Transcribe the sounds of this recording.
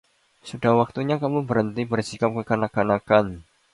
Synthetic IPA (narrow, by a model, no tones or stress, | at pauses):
sudahwak̚t̪uɲakamubəɾənt̪ibərsikap̚kəkanakanakan